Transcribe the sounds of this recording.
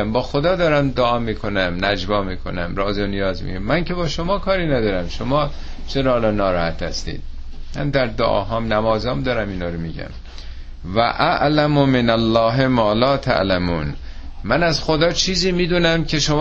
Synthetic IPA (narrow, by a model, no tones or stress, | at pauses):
æmbɒːxod̪ɒːd̪ɒːɾæmd̪oɒːmiːkʰo̞næmnæd͡ʒbɒːmiːkʰo̞̰næmɾɒːzonijɒːzmḭɟæmːæŋcʰe̞bɒːʃomɒːkʰɒːɾiːnæd̪ɒːɾæmʃomɒː | t͡ʃʰeɾɒːlɒnɒːɾɒːhæt̪hæst̪ḭːd̪̥̚ | mæ̰nd̪æɾd̪oʔɒ̰ːɦɒːmnæmɒːzɒːmd̪ɒːɾæmiːnɒːɾomiːɟæ̰m | væ̰ʔæʔlæmomenælːɒːɦemɒːlɒːt̪ʰæ̰ʔlæmuːn | mænæzxod̪ɒːt͡ʃʰiːziːmiːd̪uːnæmcʰe̞ʃom